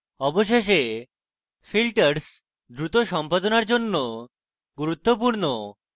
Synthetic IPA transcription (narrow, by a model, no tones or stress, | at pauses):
ɔboʃ̬eʃ̬e | filʈaɾs | d̪ɾut̪oʃɔmpad̪onaɾd͡ʑonːo | ɡuɾut̪ːopuɾno